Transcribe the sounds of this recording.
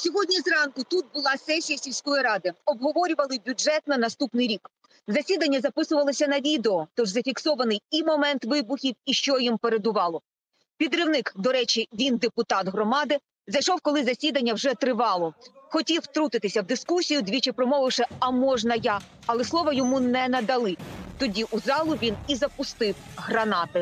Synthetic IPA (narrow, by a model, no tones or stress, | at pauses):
sʲɔɦɔdʲnʲizrɑnkʊt̪ut̪̚bʊlˠɑsɛsʲijɐsʲilʲsʲkɔjiɾɑd̪ɪɔbɦɔʋɔɾʲʊʋɐlˠɪbʲʊd͡ʒɛt̪nɐnɐst̪upnɪjɾʲik | zɐsʲid̪ɐnʲːɐzɐpɪsʊʋɐlˠɔsʲɐnɐʋʲid̪eɔt̪ɔʒzɐfʲiksɔʋɐnɪjimɔmɛnt̪ʋɪbʊxʲiwiʃt͡ʃɔjimpeɾed̪ʊʋɑlˠɔ | pʲid̪ɾɪwnɪkd̪ɔɾɛt͡ʃiʋʲind̪epʊt̪ɑt̪ɦrɔmɑd̪ɪ | zɐjʃɔwkɔlˠɪzɐsʲid̪ɐnʲːɐwʒɛt̪ɾɪʋɑlˠɔxɔtʲiwt̪ɾut̪ɪt̪ɪsʲɐwd̪ɪskusʲijʊd̪ʲʋʲit͡ʃɪpɾɔmɔʋɪwʃɛɐmɔʒnɐjɑ | ɐlˠɛslˠɔʋɐjɔmunɛnɐd̪ɐlˠɪt̪ɔdʲiʔuzɑlˠʊʋʲinizɐpʊst̪ɪwɦɾɐnɑt̪ɪ